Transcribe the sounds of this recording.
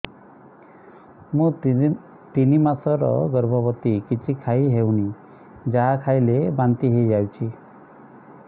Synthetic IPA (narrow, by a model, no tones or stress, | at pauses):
mũ | t̪inimasɔɾɔ̰ɡɔɾbʱɔbɔt̪ikit͡ʃʰikʰajɦewni | d͡ʒaɦakʰajlebant̪iɦejd͡ʒawt͡ʃʰi